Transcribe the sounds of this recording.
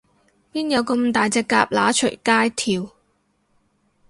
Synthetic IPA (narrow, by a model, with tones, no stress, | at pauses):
piː˥njɐ˨˧wkə˧mt̪aː˨jt͡sɛː˧kːaː˧p̚laː˨˥t͡ʃʰɵ̰˨˩jkaː˥jt̪ʰiː˨˧w